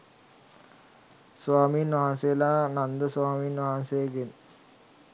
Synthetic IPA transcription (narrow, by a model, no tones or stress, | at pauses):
sʋaːmiːnʋaɦansejəlaːnand̪əsʋaːmiːnʋaɦansejəɡen